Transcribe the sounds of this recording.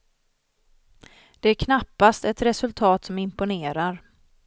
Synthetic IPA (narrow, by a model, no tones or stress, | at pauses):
d̪̥ɛæɾkʰnapːast̪ɛt̪ɾɛsɵlt̪ʰɑːt̪sɔmɪmpʊneːɾaɾ